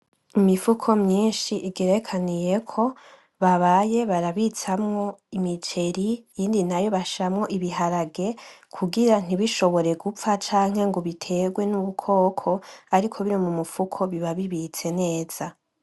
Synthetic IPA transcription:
imifukʰo̞mɲiːnʃiʔiɡeɾekʰanije̞kʰo̞ | βaβaje̞βaɾaβit͡samŋo̞imit͡ʃe̞ɾijiːndinajo̞βaʃamŋo̞ʔiβiɦaɾaɡe̞kʰuɡiɾan̥iβiʃo̞βo̞ɾe̞ɡufat͡ʃaːŋ̥he̞ŋɡoβitʰe̞ɡwe̞nuβukʰo̞ːkʰo̞aɾikʰo̞βiɾimumufukʰo̞βiβaβiβit͡se̞ne̞ːz̥a

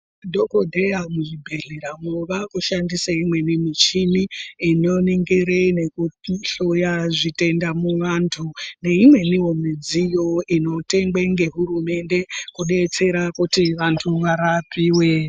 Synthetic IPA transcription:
dʱokodʱejamuʐibʱeɮeɾamoʋakuʃandisaimwe̞nimit͡ʃiniino̞niŋɡeɾene̞kuɬojaʐite̞ndamuwantʰune̞imwe̞niwo̞mid͡zijo̞ino̞te̞ŋɡeŋɡe̞ɦuɾume̞nde̞kuɗe̞t͡se̞ɾakutiʋantʰuʋaɾapiːwe̞

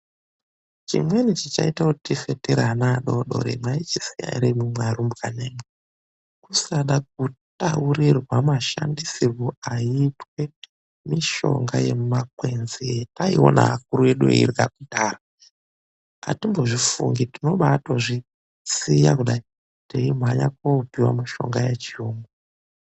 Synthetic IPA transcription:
t͡ʃḭmwe̞nit͡ʃit͡ʃa̰itaotitife̞teɾanaɗo̞ɗo̞̰ɾḛmait͡ʃisija̰ɾemumwaɾumbkane̞ːmwe | kusaɗak̚utaurirwamaʃa̰ndisirwoaitwe̞ | miʃo̞̰ŋɡaje̞mak̚we̞nzietaio̰na̰akuɾueɗuḛirɡakutaːra | a̰timbo̞ʐifuŋɡitino̞ɓatoʐi | sija̰kuɗai | teimaɲakopiwa̰miʃo̞̰ŋɡajet͡ʃioːmbo

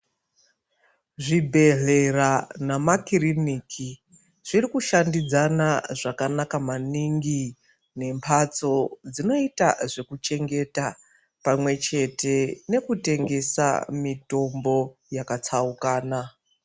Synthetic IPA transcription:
ʐibʱe̞ɮe̞ranamakiriniːkʰi | ʐ̥irikuʃandid͡zanaʐakanakamaniŋɡi | ne̞mpʰat͡so̞d͡zino̞ita̰ʐe̞kut͡ʃe̞ŋɡe̞ta | pamwe̞t͡ʃe̞te̞ne̞kute̞ŋɡe̞sa̰mito̞mbo̞jakat͡saukaːna

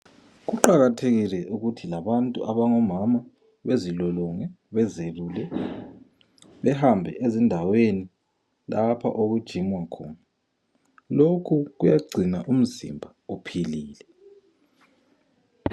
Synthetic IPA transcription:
ɣuǃaɣatʰeɣilɛʔuɣutʰilaβantʼṵʔaβaŋɔmama | βezilɔlɔŋɛ | βɛzeβulɛ | βɛhambʱɛ̰ʔezindʱaweni | lapʰa̰ʔoɣud̥ʒ̥ʱimwakʰɔːna | lokʰuɣujaɡ͡ǀʱinaʔum̩zḭmbʱaupʰiliːlɛ

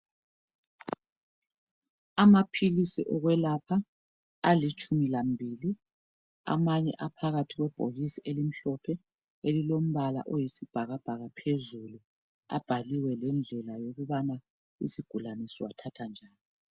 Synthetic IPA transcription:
amapʰilisiʔɔɣwɛlapʰa | alit͡ʃʼʰumilambʱiːli | a̰maɲɛ̰ʔapʰaɣatʰiɣwɛb̥ʱoɣisiʔelim̩ɬɔpʰɛ | elilom̩βala̰ʔojisib̥ʱaɣab̥ʱaɣapʰezulu | a̰b̥ʱaliwɛlɛnd͡ɮʱɛlajoɣuβana | ḭsiɡ̥ʱulanisiwatʰatʰand͡ʒʱaːni

